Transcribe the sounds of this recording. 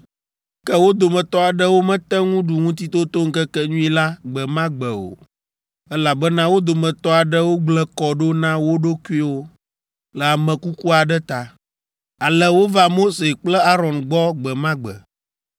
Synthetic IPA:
kɛ˦wo˦d̪o˨mɛ̃˨t̪ɔ˦a˨ɖə˦wo˦mɛ̃˦t̪ɛ˦ŋũ˦ɖu˨ŋũ˦t̪̬i˦t̪o˦t̪o˦ŋ̩˦kɛ˦kɛ˦ɲũ˦i˦la˦ɡ͡bɛ˨mã˦ɡ͡bə˨o̰˨ | ɛ˦la˨bɛ˦nã˦wo˦d̪o˨mɛ̃˨t̪ɔ˦a˨ɖə˦wo˦ɡ͡blɛ˦kɔ˨ɖo˦nã˦wo˦ɖo˦ku˦i˦wo˦ | lə˨a˨mɛ̃˨ku˦ku˦a˨ɖɛ˦t̪a˨ | a˨lə˦wo˦va˦mo˦se˨k͡plɛ˦a˦ɾɔ̃˨nɡ͡bɔ˦ɡ͡bɛ˨mã˦ɡ͡bɛ̰˨

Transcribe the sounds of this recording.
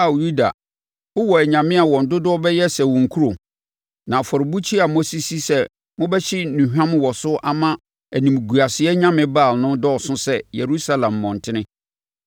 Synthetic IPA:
a˨ju˦da˨ | ʊ˦wɔ˨æ˨ɲã˨mɪ̃˦a˨wɔ̃˨n̩˨dʊ˦dʊ˦ɔ˦bɛ˦jɛ˦sɛ˨wɔ̃˨ŋ˨kʰu˦ɾo˨ | nã˨fɔ˨ɾɪ˨bu˦t͡ɕʰi˦a˨mo˦si˨si˦sɛ˦ | mʊ̃˦bɛ˦ɕɪ˦nũ˨hᶣã˦m˦wɔ˨sʊ˦ʔa˦mã˦ | æ˨nĩ˨m˨ɡu˨a˨sɪ˨ɛ˦ɲã˦mɪ̃˦baː˦˨lnʊ̃˦dɔ˦˨sʊ̃˦sɛ˦je˨ɾu˦sa˦lã˨mːɔ̃˨n̩˨tʰɪ˦nɪ̃˦

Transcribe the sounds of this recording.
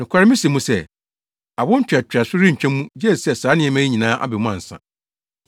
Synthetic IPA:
nʊ̃˨kʷʰa˦ɾɪ˦mĩ˦si˨mũ˦sɛ˦˨ | a˨bʊ̃˦n̩˦t͡ɕᶣa˨t͡ɕᶣa˨sʊ˦ɾɪ˦ɲ̩˨t͡ɕᶣʰɛ̃˦mũ˦d͡ʑɛ˦˨sɛ˦saː˨˦nɪ̃˦ɛ˨mæ̃˦i˦ɲĩ˨nãː˦ʔa̰˨bɪ˨mʊ̃˦ã̰˨n˨sã̰˨

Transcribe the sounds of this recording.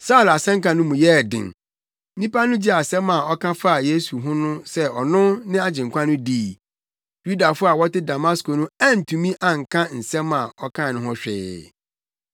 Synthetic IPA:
saː˦˨la˨sɛ̃˦ŋkã˨nʊ̃˦mũ˨jɛ˦˨dɪ̰̃˨n | n̩˦nĩ˦pa˦nʊ̃˦d͡ʑi˦a˨sɛ˦mã˨ɔ˦kʰã˦fa˦a˨je˦su˨ɦʊ̃˦nʊ̃˦sɛ˦ɔ˨nʊ̃˦nɪ̃˦a˦d͡ʑɪ̃˨ŋ̩˨kʷʰã˦nʊ̃˦di˦˨ | ju˦da˨fʊ˦a˨wɔ˦tɪ˦da˨ma˦sko˨nʊ̃˦ã˦n̩˨tʰũ˨mĩ˦ʔã˨ŋ̩˨kʰã˦n̩˨sɛ̃˦mːã˨ɔ˦kʰã˦˨nʊ̃˦ɦɔ˦ɕᶣɪ̰ː˨

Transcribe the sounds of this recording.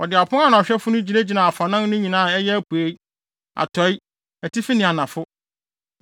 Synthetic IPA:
ɔ˨dɪ˨a˨pʰʊ̃˦a˦nʊ̃˨ɔ˨ɕᶣɛ˦fʊ˦nʊ̃˦d͡ʑi˨ne˦d͡ʑi˨nã˨fa˨nã˦n˦nʊ̃˦ɲĩ˨nãː˦˨ɛ˦jɛ˦æ˦pu˨e˦i˦ | a̰˨tʰɔ˨˦ɪ˦ | æ˨tʰi˦fi˦nɪ̃˨a˨nã˨fʊ˦

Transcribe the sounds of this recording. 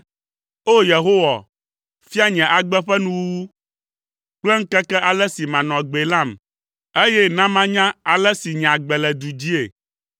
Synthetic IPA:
o˦je˨ɦo˦wa˨ | fi˦a˦˨ɲɛ̃˨ʔa˨ɡ͡bɛ˦ɸɛ˦nũ˦wu˦wu˦ | k͡plɛ˦ŋ̩˦kɛ˦kɛ˦ʔa˨lɛ˦si˨mã˨nɔ̃˨ɡ͡be˨lã˦˨m | e˦jɛ˦nã˦mã˦ɲã˦a˨lɛ˦si˨ɲ˨ã˨ɡ͡bɛ˨lɛ˨d̪u˨d͡ʑi˦e˨

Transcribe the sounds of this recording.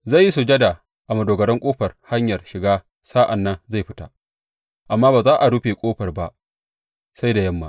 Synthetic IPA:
za˦˨jːi˦su˨d͡ʒɐ˦da˨ | ʔa˨mɐ˨doː˨ɡɐ˨ɽɐ˦ŋkʷʼoː˦ɸɐ˨rha˦ɲjɐ˨rʃɪ˨ɡaː˦ | saː˦ʔa˨nːɐ˦nza˦˨jɸɪ˦ta̰˨ | ʔa˨mːaː˦baː˨zaː˦ʔa˨ɽu˦ɸe˨kʷʼoː˦ɸɐ˨rba˦ʔ | sa˦jda˨jɐ˦mːa̰˨ʔ

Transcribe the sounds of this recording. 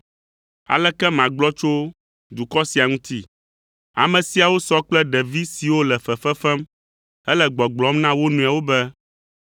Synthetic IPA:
a̰˨lɛ˦kɛ˦mã˨ɡ͡blɔ˦t͡ʃo˦ | d̪u˨kɔ˦si˨a˨ŋũ˦t̪i˦ | a̰˨mɛ̃˨si˨a˨wo˦sɔ˦k͡plɛ˦ɖɛ˨vi˦si˨wo˦lɛ˨fɛ˨fɛ˦fɛ˦m | ɛ˦lɛ˦ɡ͡bɔ˨ɡ͡blɔ˨˦mnã˦wo˦nũ˨a˨wo˦bɛ˦

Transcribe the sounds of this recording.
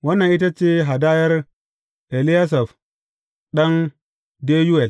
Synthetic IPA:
wɐ˦nːɐ˨ʔi˦t̬a˦t͡ʃeː˦ɦa˨da˦jɐ˦ɾ | ʔe˨li˦ja˦s̬ɐ˨f | ɗɐ˦n | de˦ju˦wɛ˨l

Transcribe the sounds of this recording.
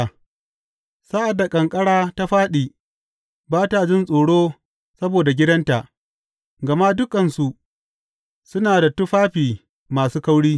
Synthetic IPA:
sa˦ʔa˨dːa˨kʼɐ˨ŋkʼɐ˦ɽaː˦ta˦ɸaː˦ɗiː˨ | baː˦ta˨d͡ʒɪ˦nsʼoː˨ɽoː˦ | sɐ˦boː˨da˨ɡʲɪ˦dɐ˦nta˨ʔ | ɡɐ˨ma˦dʊ˦kɐ˨nsu˨ʔ | sʊ˦naː˨da˨tʊ˦ɸaː˦ɸiː˨ | maː˨suː˦kɐ˦wɽiː˦

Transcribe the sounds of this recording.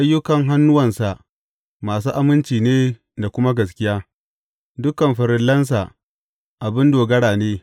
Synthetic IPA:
ʔa˦jːʊ˦kɐ˨ŋɦa˦nːʊ˦wɐ˨nsa˨ʔ | maː˨s̬uː˦ʔa˦mɪ˦nt͡ʃiː˨neː˦ | da˨kʷʊ˦ma˦ɡɐ˨s̬kʲɪ˦jaː˦ | dʊ˦kɐ˨mɸɪ˨ɾɪ˦lːɐ˦ns̬a˨ | ʔa˨bɪ˦ndoː˨ɡɐ˦ɽaː˨neː˦

